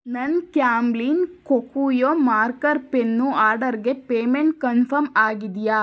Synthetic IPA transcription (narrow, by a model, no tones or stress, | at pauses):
nɐnkjaːmblinkokuːjoːmaːɾkɐɾpenːuaːɾɖɐɾɡe̞peːmeɳʈ̚kɐnpʰɐɾmaːɡid̪ja